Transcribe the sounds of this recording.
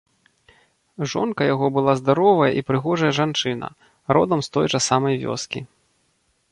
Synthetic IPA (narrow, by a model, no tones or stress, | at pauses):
ʐɔ̰nkɐjaɣɔbɨlˠazd̪aɾɔvɐjɐʔipɾɨɣɔʐɐjɐʐant͡ʂɨnɐ̰ | ɾɔ̰d̪ɐmst̪ɔjt͡ʂɐsamɐjvʲɔ̰skʲḭ